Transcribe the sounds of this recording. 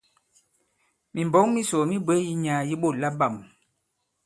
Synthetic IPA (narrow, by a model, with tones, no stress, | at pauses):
mi˨m˨bɔ˨˦ŋmi˦so˨mi˦bə˦ji˦ɲa˨˦ji˦ɓo˦˨la˦ba˦˨m